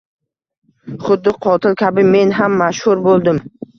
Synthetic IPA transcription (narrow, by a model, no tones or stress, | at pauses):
χʊd̪ːɪqʰɒt̪ʰɪlˠkʲʰabɪme̞nɦamːaʃhʊɾbolˠd̪ɪm